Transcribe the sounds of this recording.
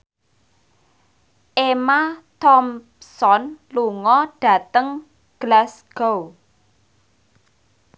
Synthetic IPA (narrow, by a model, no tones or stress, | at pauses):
ʔemat̪ɔm | sɔnluŋɔɖ̥ä̤t̪əŋ | ɡ̥lasɡ̥ow